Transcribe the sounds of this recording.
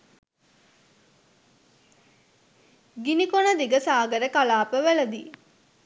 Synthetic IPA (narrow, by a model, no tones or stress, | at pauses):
ɡinikonəd̪iɡəsaːɡəɾəkalaːpəʋælɐd̪iː